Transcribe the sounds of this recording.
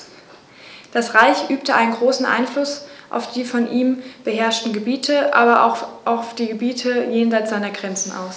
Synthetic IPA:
d̥asʁaɪçʔyːp̚təʔaɪnənɡʁoːsn̩ʔa̰ɪnflʊsʔa̰ʊfd̥iːfɔnʔiːmb̥əɦɛɐʃtn̩ɡəbiːtʰəʔaːbɐʔa̰ʔaʊfd̥iːɡəbiːtʰəjeːnzaɪt͡sz̥aɪnɐɡʁɛnt͡sn̩ʔa̰ʊs

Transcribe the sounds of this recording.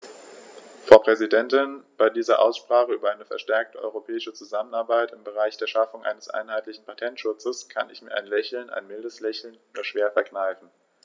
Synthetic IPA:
fʁ̥aʊpʁ̥ɛzidɛntɪnb̥aɪdiːzɐʔa̰ʊsʃpʁ̥aːχəyːbɐʔaɪnəfɛɐʃtɛɐk̚təʔɔ̰ʏʁopʰɛːɪʃət͡suzamənaɐbaɪtɪmbəʁ̞aɪçd̥eːɐʃafʊŋʔa̰ɪnəsʔa̰ɪnhɦaɪtlɪçn̩pʰatʰɛntʃʊt͡səskʰa̰nɪ̰çmiːɐʔaɪnlɛçl̩na̰ɪnmɪldəslɛçl̩noːdɐʃv̥eːɐfɛɐknaɪfn̩

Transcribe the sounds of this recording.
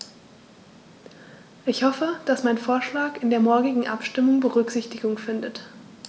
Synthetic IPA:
ʔɪçhɔfəd̥asmaɪnfoːɐʃlaːkɪndeːɐmɔɐɡɪɡŋ̩ʔa̰pʃtɪmʊŋbəʁʏkz̥ɪçtɪɡʊŋfɪndət

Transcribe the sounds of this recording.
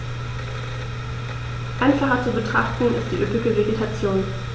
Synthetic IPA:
ʔaɪnfaχɐt͡subətʁ̥aχtn̩ɪ̰st̚d̥iːʔøpɪɡəveɡetʰat͡sjoːn

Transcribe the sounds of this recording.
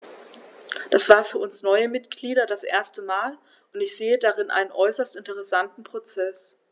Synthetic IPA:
d̥asv̥aːɐfyːɐʊnsnɔʏəmɪtɡ̥liːɾɐdasʔḛːɐstəmaːl | ʔʊntɪçz̥eːədaʁɪnʔa̰ɪnənʔɔʏsɐstɪntəʁ̞ɛsantn̩pʁ̥ot͡sɛs

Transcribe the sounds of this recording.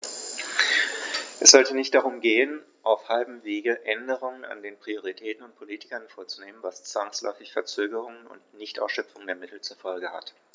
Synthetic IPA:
ʔɛsz̥ɔltənɪçtd̥aʁʊmɡeːən | ʔaʊfhalbm̩veːɡəʔɛndəʁ̞ʊŋəna̰ndeːnpʁ̥ioʁ̞itʰɛːtn̩ʊnt̚pʰoliːtɪ̥kɐnfoːɐt͡suneːmənvast͡sv̥aŋslɔ̰ʏfɪçfɛɐt͡søːɡəʁ̞ʊŋənʊ̰ntnɪçtʔa̰ʊsʃœp͡fʊŋəndeːɐmɪtl̩t͡suɐfɔlɡəha̰t

